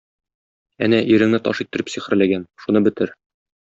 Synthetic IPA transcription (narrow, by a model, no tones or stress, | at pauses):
ænæʔiɾɘ̆ŋnɘt̪ɒʃit̪ːɘ̆ɾɘpsiχɘ̆ɾlæɡænʃunɤbɘ̆t̪ɘɾ